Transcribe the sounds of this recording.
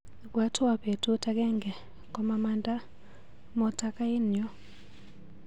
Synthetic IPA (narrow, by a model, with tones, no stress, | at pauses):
kwa˨˦tʰu˦a˨pe˨tʰu˦tʰa˦k̬ʼɛ˦ŋɡɛ˨ | kʼɔ˦ma˦ma˦ndʼa˦ | mɔ˨tʰa˦kʼa˦i˦n˨jɔ˦